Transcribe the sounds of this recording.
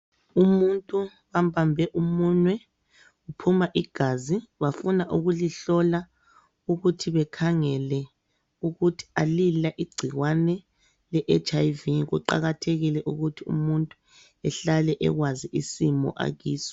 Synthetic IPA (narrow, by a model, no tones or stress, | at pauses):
umuntʼu | βambʱambʱɛʔumunwɛ | upʰumaʔiɡ̥ʱaziβafunaʔuɣuliɬɔla | uɣutʰiβɛkʰaŋɛlɛ | uɣutʰi̥alilaʔiɡ͡ǀʱiɣwanɛ | lɛʔet͡ʃʰʼajviɣuǃa̰ɣatʰeɣilɛʔuɣutʰiṵmuntʼu | ɛɬalɛʔɛ̰ɣwaziisimɔ̰ʔa̰ɣiːsɔ̥